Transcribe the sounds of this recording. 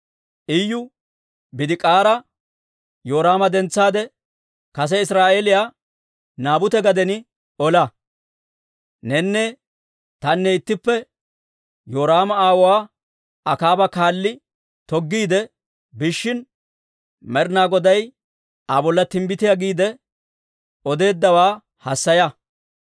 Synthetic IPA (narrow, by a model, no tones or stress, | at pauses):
ʔɪjːʊ | bɪd̪ɪkʼaːɾɐ | joːɾaːmɐd̪ɛnt͡sːaːd̪ɛ | kɐs̬ɛɪsɾaːʔelɪjaː | naːbʊt̪ɛɡɐd̪ɛnɪ | ɔlɐ | nɛnːɛ | t̪ɐnːɛɪt̪ːɪpːɛ | joːɾaːmɐaːwɔwaː | ɐkaːbɐkaːlːɪ | t̪ɔɡːiːd̪ɛ | bɪʃːɪn | mɛɾnaːɡɔd̪ɐj | ɐbɔlːɐt̪ɪmbɪt̪ɪjaɡiːd̪ɛ | ɔd̪e̞ːd̪ːɐwaː | hɐsːɐjɐ